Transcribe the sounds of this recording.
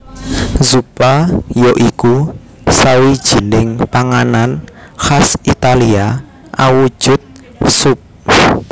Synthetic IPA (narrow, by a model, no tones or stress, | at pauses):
zupajɔʔiku | sawid̥ʒ̥i̤nɪŋpaŋananxasit̪alia | ʔawu̥ʒ̥ʊt̪̚ | sʊp̚